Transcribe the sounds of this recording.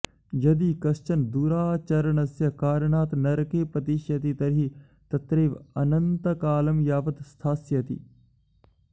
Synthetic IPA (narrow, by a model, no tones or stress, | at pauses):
jɐd̪iːkɐst͡ʃɐnd̪uːɾaːt͡ʃɐɾəɳɐsjɐkaːɾɳaːt̪nɐɾkeːpɐt̪iːʃjɐt̪it̪ɐɾɦi | t̪ɐt̪ɾeːʋɐ̰nɐnt̪ɐkaːlɐmjaːʋɐt̪st̪ʰaːsjɐt̪ḭ